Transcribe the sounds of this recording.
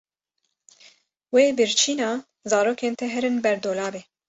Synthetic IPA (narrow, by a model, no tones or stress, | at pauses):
weːbɨɾt͡ʃʰiːnɑː | zɑːɾoːkeːnt̪ʰɛɦɛɾɨnbɛɾd̪oːlɑːbe